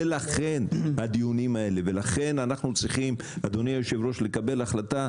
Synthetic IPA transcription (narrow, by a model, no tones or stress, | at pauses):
elaχe̞nad̪ijunimae̞le̞velaχe̞nanaχnut͡sʁiχim | ad̪o̞nijajoʃe̞vɾo̞ʃle̞kabe̞laχlat̪a